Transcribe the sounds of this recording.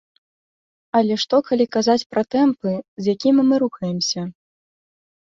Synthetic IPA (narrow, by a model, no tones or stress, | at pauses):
ɐlʲɛʂt̪ɔkalʲikazat͡sʲpɾɐt̪ɛmpɨzjakʲimmɨɾuxɐjɛmsʲɐ